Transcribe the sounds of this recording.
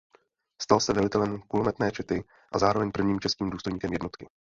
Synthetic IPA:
st̪alsɛvɛlɪt̪ɛlɛmkulomɛt̪nɛːt͡ʃɛt̪ɪ | ʔazaːɾovɛɲpr̩vɲiːmt͡ʃɛskiːmduːst̪o̞jɲiːkɛmjɛdno̞t̪kɪ

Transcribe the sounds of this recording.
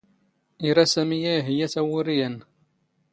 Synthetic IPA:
iɾasæmijæɦijæθæwʊɾijən

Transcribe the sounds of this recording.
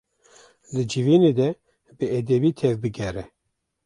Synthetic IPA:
d̪ɨd͡ʒiviːned̪ɛ | bɨɛd̪ɛbiːt̪ʰɛvbɨɡɛɾɛ

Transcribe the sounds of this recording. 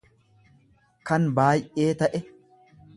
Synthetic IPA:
kɐnbaːjʔe̞ːt̪ɐʔɛ

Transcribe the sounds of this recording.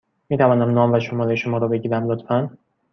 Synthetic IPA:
miːt̪ʰævɒːnæmnɒːmvæʃomɒːɾeʃomɒːɾɒːbe̞ɟiːɾæmlot̪ʰfæn

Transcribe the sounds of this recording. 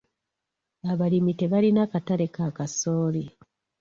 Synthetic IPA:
aβalimite̞βalinakataɾe̞kakaso̞ːli

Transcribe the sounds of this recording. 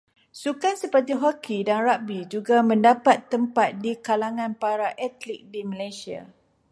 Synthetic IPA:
sukansəpərt̪̬iɦɔkʰidanrabid͡ʒuɡamə̃ndapat̪ːəmpat̪̚dikalaŋãnpaɾaʔɛt̪lik̚diməlajsia̰

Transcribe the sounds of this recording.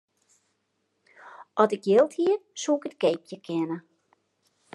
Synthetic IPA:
ʔɔtɪkjɪlˠthiərsuɪkətkejp̚jəkʰɪnə

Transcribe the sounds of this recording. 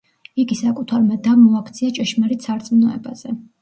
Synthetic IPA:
iɡisakʼut̪ʰaɾmad̪amɔakʰt̪sʰiat͡ʃʼɛʃmaɾit̪saɾt̪sʼmnɔɛba̰z̥ɛ

